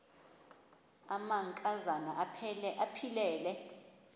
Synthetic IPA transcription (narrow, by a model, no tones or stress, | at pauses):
amaŋkʼazanaʔʰʔapʰilɛːlɛ